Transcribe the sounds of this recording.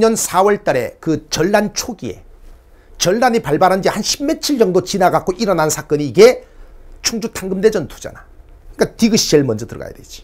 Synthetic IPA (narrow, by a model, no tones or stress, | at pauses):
ɲʌnsʰawʌɭt͈aɾe̞̰kɯt͡ɕʌɭːant͡ɕʰoɡie̞ | t͡ɕʌɭːaɲipaɭbaɾɦand͡ʑihanɕʰimme̞t͡ɕʰiɭd͡ʑʌŋdot͡ɕinaɡak̚k͈oʔiɾʌnansʰak͈ʌɲiːɡe̞ | t͡ɕʰuŋd͡ʑutʰaŋɡɯmde̞d͡ʑʌntʰu̥d͡ʑa̰na | ɯik͈atiɡɯɕ͈ieɭmʌnd͡ʑʌtɯɾʌɡa̰ja̰de̞d͡ʑi̥